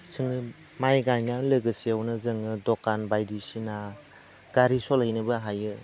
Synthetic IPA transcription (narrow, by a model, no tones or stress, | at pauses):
sʰɯŋɯ | majɡajnamlɯɡɯsiawnɯzɯŋɯdɔkanbajdisina | ɡ̥aɾisɔlejnɯbɯɦajɯ